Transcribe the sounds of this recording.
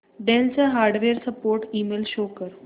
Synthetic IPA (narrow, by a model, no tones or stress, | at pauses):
ɖɛ̃nsaɦaɾɖʋeɾsəpoɾʈiːmelɕokəɾ